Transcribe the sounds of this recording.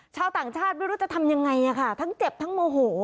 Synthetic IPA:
t͡ɕʰaː˧wt̪aː˨˩ŋt͡ɕʰaː˥˩t̪̚ma˥˩jɾu˦˥tt͡ɕa˧˩t̪ʰa˧mja˧ŋːa˧jʔa˨˩kʰa˥˩t̪ʰa˦˥ŋt͡ɕe˨˩p̚t̪ʰa˦˥ŋmoː˧ɦoː˩˦

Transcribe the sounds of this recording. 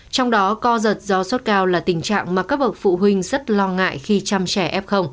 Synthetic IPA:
t͡ɕɔ˧wŋ͡mɗɔ˨˦kɔ˧zə˨˩t̚zɔ˨˦so˦˥t̚kaː˧wlaː˨˩t̪ï˨˩ŋ̟t͡ɕa̰ː˧˨ŋmaː˨˩kaː˦˥k̚ɓə˨˩w̚t̚fṵ˧˨ɦwï˧ŋ̟zə˦˥t̚lɔ˧ŋa̰ː˧˨jxi˧t͡ɕa˧mt͡ɕɛ˧˩ʔɛ˦˥p̚xə˧wŋ͡m

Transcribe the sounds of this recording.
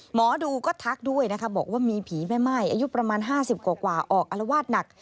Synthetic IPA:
mɔː˩˦duː˧kɔː˥˩t̪ʰa˦˥k̚du˥˩əjna˦kʰa˦˥bɔː˨˩k̚waː˥˩miː˧pʰiː˩˦ma˥˩jma˥˩jʔaː˧ju˦˥pɾa˧maː˧nɦaː˥˩si˨˩p̚kwaː˨˩kwaː˨˩ʔɔː˨˩k̚ʔa˧la˧waː˥˩t̪̚na˨˩k̚

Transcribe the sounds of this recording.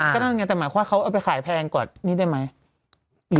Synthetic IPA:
na˥˩˨ŋa˧nt̪ɛː˨˩maː˩˦jʰkʰːa˥˩kʰa˦˥wʔaː˨˩wp̬a˧jxʰaː˨˩˦jpʰɛː˧nkɔː˨˩n̚niː˥˩da˥˩jma˦˥j | ɾɯː˨˦

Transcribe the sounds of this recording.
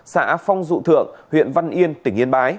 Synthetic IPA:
sa̰ː˧˥fɔ˧wŋ͡mzṵ˧˨t̪ʰɨ̰˧˨əŋhwḭ˧˨ənva˧nʔi˧ənt̪ï˧˩ŋʔi˧ənɓaː˨˦j

